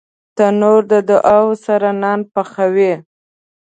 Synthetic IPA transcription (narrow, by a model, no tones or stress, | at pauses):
t̪anoɾd̪əd̪ʊʔawsaɾanɑnpaxawe